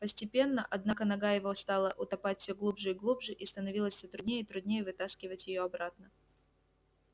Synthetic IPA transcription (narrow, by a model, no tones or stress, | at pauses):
pəsʲtʲɪpʲe̞nːəʔɐd̪nakənɐɡajɪvo̞st̪alˠəʔʊt̪ɐpatʲfʲsʲoɡlˠubʐɨɪɡlˠubʐɨʔist̪ənɐvʲilˠəsʲsʲɵt̪ɾʊd̪ʲnʲejəit̪ɾʊd̪ʲnʲejəvɨt̪askʲɪvətʲjɪjoɐbɾat̪nə